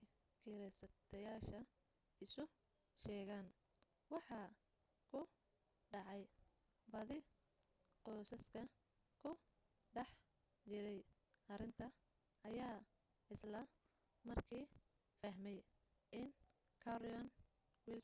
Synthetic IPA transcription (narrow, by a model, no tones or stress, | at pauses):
kʰiɾɛsɐt̪ʰɐjaːʃɐ | ɪsʊ | ʃɛːɣaːn | wɑħɑ | kʰʊ | ɖɑʕɑj | bɐðɪ | qɔːsɐskʰɐ | kʰʊ | ɖɐħ | t͡ʃɪɾɛj | ʔɐɾɪnt̪ʰɐ | ɐjaː | ɪslɐ | mɐrkʰiː | fɐɦmɛj | ɪn | kʰɐɾɪɔn | wɪl